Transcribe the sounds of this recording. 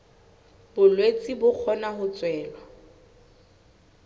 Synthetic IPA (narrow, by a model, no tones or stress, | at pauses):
bʊlwet͡sʼibʊk͡xʰɔnahʊt͡sʼwɛːlwa